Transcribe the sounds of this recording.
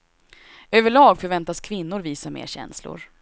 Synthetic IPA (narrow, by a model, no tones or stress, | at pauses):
øːvəɭɑːɡfœɾvɛnt̪askʰvɪnːʊɾviːsamḛːɾɕɛ̰nslʊ̰ɾ